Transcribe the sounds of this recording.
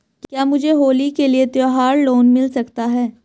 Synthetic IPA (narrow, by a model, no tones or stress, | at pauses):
kkjaːmʊd͡ʒʱeɦoːlikeliet̪joːɦaːɾloːnmɪlsɐkt̪aɦɛː